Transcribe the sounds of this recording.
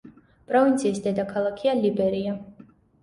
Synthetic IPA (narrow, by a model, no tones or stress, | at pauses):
pʼɾɔvint̪sʰiːsd̪ɛd̪akʰalˠakʰialibɛɾia